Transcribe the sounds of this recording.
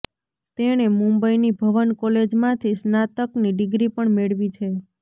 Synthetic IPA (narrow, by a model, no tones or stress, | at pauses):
t̪eñemũmbəinibʱəʋənkɔled͡ʒmãt̪ʰisnat̪əkniɖɪɡɾipəɳmeɭʋit͡ʃʰe